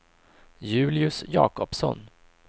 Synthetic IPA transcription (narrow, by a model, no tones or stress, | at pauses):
jʉ̟ːlɪɵsjɑ̰ːkɔpsɔ̰n